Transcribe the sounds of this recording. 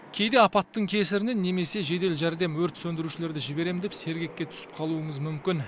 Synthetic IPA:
kʲʰe̞jd̪e̞ɑpɑt̪ːəɴkʲʰe̞sɪɾɪne̞nːe̞me̞se̞ʒe̞d̪e̞lʒæɾd̪e̞mwɵɾt̪sɵnd̪ɪɾuʃɪle̞ɾd̪ɪʒɪbe̞ɾe̞md̪e̞pse̞ɾɡʲe̞kʲːe̞t̪ʰʏ̥sɪ̥p̚qʰɑlˠuəɴəzmʏmkʲɪn

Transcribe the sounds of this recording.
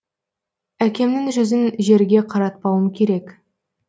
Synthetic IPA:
ækʲʰe̞mnɪŋʒʏzɪnʒe̞ɾɡʲe̞qʰɑɾɑt̪̚pɑwəmkʲʰe̞ɾe̞k

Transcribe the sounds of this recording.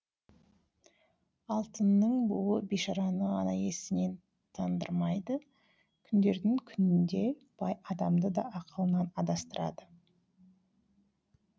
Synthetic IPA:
ɑlˠt̪ənːəɴbʊlˠəbeʃɑɾɑnəʁɑ̰nɑje̞sɪne̞n | t̪ʰɑnd̪əɾmɑjd̪ə | kʲʰʏnd̪e̞ɾd̪ɪŋkʲʰʏnɪnd̪e̞ | b̥ɑjɑd̪ɑmd̪əd̪ɑ̰ʔːqʰəlˠənɑnɑd̪ɑst̪əɾʔɑ̰d̪ə

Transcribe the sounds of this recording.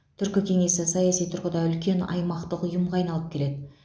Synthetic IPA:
t̪ʰʏɾkʲɪkʲʰe̞ŋe̞sɪsɑjɑsijt̪ʰʊɾqəd̪ɑʏlkʲe̞nɑ̰jmɑqt̪əqʊjəmʁɑjnɑlˠəp̚kʲʰe̞le̞d̪ɪ

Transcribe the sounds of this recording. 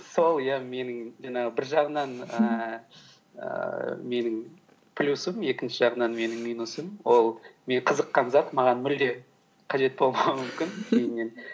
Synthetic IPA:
so̞lˠjame̞nɪŋʒɑɴɑʁəbɪɾʒɑʁənɑnə | ə̰me̞nɪŋ | pʰlʲusəmje̞kʲɪnʃɪʒɑʁənɑnme̞nɪŋmijnusəmwo̞lˠme̞ɴqʰəzəqːɑnzɑt̪mɑʁɑnmɪld̪e̞ | qʰɑʒe̞t̪̚bo̞lˠmɑwəmʏmkʲɪnme̞ne̞n

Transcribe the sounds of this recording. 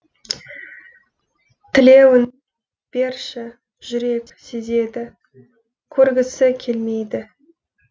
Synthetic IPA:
t̪ʰɪle̞wɪn | b̥e̞ɾʃɪ | ʒ̥ʏɾe̞k | seze̞d̪ɪ | kʲʰɵɾɡʲɪsɪkʲʰe̞lme̞jd̪ɪ

